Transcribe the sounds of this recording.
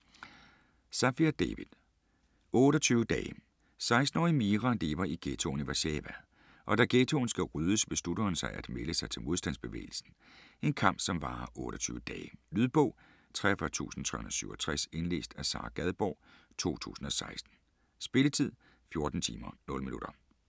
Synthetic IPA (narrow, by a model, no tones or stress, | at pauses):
sæfiæd̥eʋið̥ˠ | ɔ̽ːɾ̥ɒt͡sʰyːʊəd̥ɛ̰ːɪ | sɑ̈ɪsd̥n̩ɒ̰ːimiːʁɑle̝ːʋɐʔiɡ̥et͡sʰo̝niʋɑɕeʋæ | ʔɒ̽d̥æɡ̥et͡sʰo̝ːnsɡ̥æʁyðˠəsʋe̝slud̥ɐːnsɑ̈ɪʔæd̥meləsɑ̈ɪt͡sʰe̝lmo̝ð̞ˠsd̥ænsb̥e̝ʋḛːɪl̩sn̩ | e̝nkʰɑ̈m̰b̥sɒ̽mʋɑ̈ːʔɔ̽ːɾ̥ɒt͡sʰy̰ːʊəd̥ɛːɪlyðˠb̥ɔʊ̰ | t͡sʰʁɛɐfœɐt͡sʰṵːsn̩t͡sʰʁɛ̰hun̩ðˠsyʊɒt͡sʰʁase̝nle̝̰ːsd̥æsɑ̰̈ːɡ̥æð̞ˠb̥ɒ̰ːt͡sʰo̝̰ːt͡sʰṵːsn̩ɒ̽sɑ̈ɪsd̥n̩ | sb̥e̝lət͡sʰið̞̰ˠ | fjo̝ɐd̥n̩t͡sʰḭːmɐnɔ̽ləminud̥ɐ